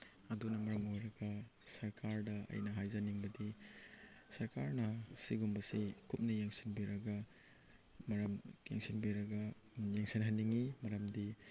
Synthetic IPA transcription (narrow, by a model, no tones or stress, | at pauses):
ɐdunɐmɐɾɐŋojɾɐɡɐsɐɾkʰaɾdɐɐ̰jnɐɦajzaniŋbɐdi | sɐɾkaɾnɐsiɡumbɐsikʰup̚nɐjeŋsinbiɾɐɡɐ | mɐɾɐmjḛŋsinbiɾɐɡɐ | jaŋsinɦɐnːiŋimɐɾɐmdi